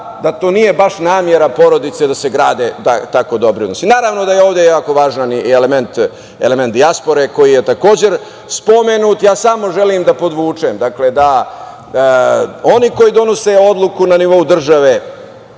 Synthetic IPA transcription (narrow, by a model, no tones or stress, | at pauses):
d̪at̪o̞ːnije̞baʂnaːmje̞ɾapo̞ɾo̞d̪it̪se̞d̪ase̞ɡɾaːd̪et̪at̪ako̞d̪o̞bɾionosinaːɾaʋno̞d̪ajeo̞ːʋd̪ejaːko̞ʋaːʒnaneleme̞nt̪ | ḛlement̪d̪iaspo̞ɾe̞ko̞jijet̪ako̞ːd͡ʑe̞ɾ | spo̞menuːt̪jaːsamo̞ʒe̞limd̪apo̞d̪ʋuːt͡ʂemd̪akle̞d̪a | o̞niko̞jid̪o̞no̞se̞o̞d̪lˠukunaniʋo̞ud̪r̩ʒaʋe